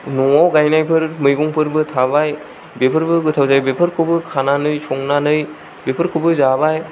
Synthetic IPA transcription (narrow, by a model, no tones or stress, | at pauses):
nɔawɡajnajpʰɯɾmɯjɡuŋpɯɾbɯtʰabaj | bepʰɯɾbɯɡɯtʰawzajbepʰɯɾkʰɯbɯkʰananɯjsɔŋnanɯj | bepʰɯɾkʰubɯzabaj